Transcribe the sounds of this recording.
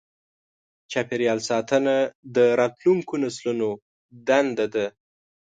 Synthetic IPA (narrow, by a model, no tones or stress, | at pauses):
t͡ʃapeɾjɑlsɑt̪ənad̪əɾɑt̪luŋkonasluno | d̪and̪ad̪a